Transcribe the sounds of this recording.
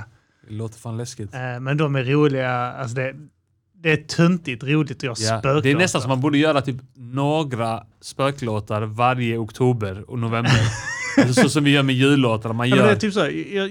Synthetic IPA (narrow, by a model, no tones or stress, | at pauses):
d̪ɛloːt̪əɾfaːnlɛskɪt̪mɛnd̪ɔmæɾuːlɪɡaals̬ɔd̪ɛ | d̪ɛːt̪ʰɵnt̪ɪt̪ɾuːlɪt̪ɔjɑjapøːkd̪ɛæɾnɛst̪ansɔmːanbuːɖəjœːɾat̪ʰyːpnoːɡɾa | spøːkloːt̪aɾvaɾjəʊkt̪ʰuːbəɾɔ̰nʊvɛməɾ | ɔsɔmvɪjœːɾmɛjʉ̟ːlːoːt̪aɾəmanjmœːd̪ɛæt̪yːpsoːjɑ